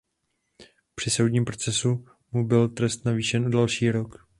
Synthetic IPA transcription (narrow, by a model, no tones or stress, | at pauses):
pr̝̥ɪso̞wdɲiːmpɾo̞t͡sɛsu | mubɪlt̪ɾɛst̪naviːʃɛnʔudalʃiːɾok